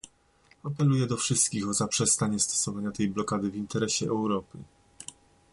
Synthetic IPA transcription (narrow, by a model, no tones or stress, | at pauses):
apɛlujɛd̪ɔfʂɘst̪kʲixɔzapʂɛst̪aɲɛst̪ɔ̥sɔvaɲat̪ɛjblɔkad̪ɘvʲint̪ɛɾɛɕɛʔɛwɾɔpɘ